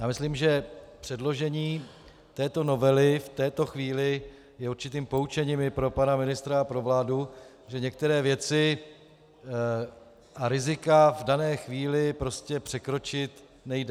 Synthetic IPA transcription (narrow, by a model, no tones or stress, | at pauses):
jaːmɪsliːmʒɛpr̥ɛdlo̞ʒɛɲiː | t̪ɛːt̪o̞no̞vɛlɪft̪ɛːt̪o̞xviːlɪ | jɛuɾt͡ʃɪt̪iːmpout͡ʃɛɲiːmɪpɾo̞panamɪnɪst̪ɾaapɾo̞vlaːdu | ʒɛɲɛk̚t̪ɛɾɛːvjɛt͡sɪ | ʔaɾɪzɪkavdanɛːxviːlɪpɾo̞scɛpr̝̥ɛkɾo̞t͡ʃɪt̪ | nɛjdɛ